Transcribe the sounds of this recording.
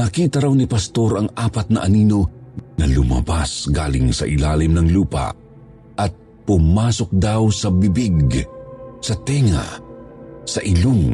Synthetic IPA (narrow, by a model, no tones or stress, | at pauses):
nɐkiːt̪ɐɾawnipɐst̪o̞ɾɐŋaːpɐt̪̚nɐʔɐniːno̞nɐlʊmɐ̰basɡaːlɪŋsɐ̰ʔɪlaːlimnɐŋluːpɐ̰ | ʔɐt̪̚ | pʊmaːsok̚d̪awsɐbibiɡ | sɐt̪ɛŋɐ̰ | sɐʔɪloŋ